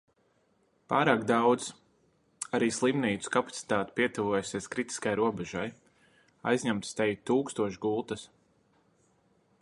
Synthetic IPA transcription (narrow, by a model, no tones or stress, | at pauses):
paːɾaːkd̪awd̪z | aɾiːslˠimniːt̪su̥kapat̪si̥t̪aːt̪piɛt̪uvuɔjsiɛskɾit̪i̥skajɾuɔbɛʒaj | a̰jzɲamt̪st̪ɛjt̪uːkst̪uɔʃɡulˠt̪ɐs